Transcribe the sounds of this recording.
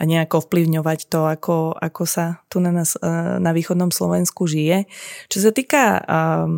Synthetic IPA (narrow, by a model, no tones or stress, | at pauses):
ʔaɲɛaɡɔfpliʊɲɔʋact̪ɔakɔa̰kɔsat̪unanasnaʋiːxɔd̪nɔmslɔ̰ʋɛnskuʒijɛt͡ʃɔs̬at̪iːka